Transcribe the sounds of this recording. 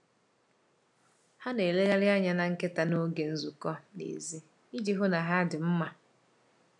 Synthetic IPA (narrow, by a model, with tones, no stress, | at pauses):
ha˦ne˨le˦ɣa˦lɪ˦a˦ɲa˨˦na˨ŋ̩˦ke˦ta˨no˦ɡe˨n̩˦zu˨kɔ˦nḛ˨zi˦ | i˦d͡ʒi˦ɦʊ˦na˨ɦa˦dɪ˨m̩˦ma˨